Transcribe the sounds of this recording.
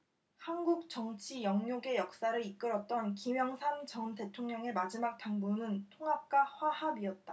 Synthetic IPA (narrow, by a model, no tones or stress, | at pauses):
hanɡuk̚t͡ɕ͈ʌŋt͡ɕʰijʌŋɲoɡe̞jʌk̚s͈aɾɯɾik͈ɯɾʌt̚t͈ʌnkimjʌŋsʰamt͡ɕʌmte̞tʰoŋɲʌŋe̞mad͡ʑimak̚t͈aŋbunɯntʰoŋɦap̚k͈aɸwahabiʌt̚t͈a